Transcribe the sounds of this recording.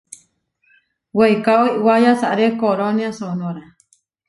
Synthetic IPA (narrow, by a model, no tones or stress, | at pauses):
weikaoiʔwajasaʔɾekoɾoniasonõɾa